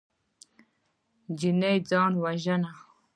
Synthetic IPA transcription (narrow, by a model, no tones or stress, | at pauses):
d͡ʒinejd͡zɑːnwaʒəna